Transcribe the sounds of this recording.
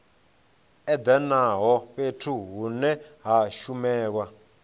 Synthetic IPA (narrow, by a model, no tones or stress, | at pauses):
ɛd̪anaɦɔɸetʰuɦunɛɦaʃumɛːk̬wa